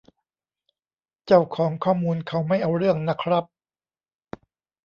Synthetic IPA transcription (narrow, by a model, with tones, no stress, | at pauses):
t͡ɕa˥˩wkʰɔː˩˦ŋkʰɔː˥˩muː˧nkʰa˦˥wma˥˩jʔa˧wɾɯ˥˩əŋna˦˥kʰɾa˦˥p̚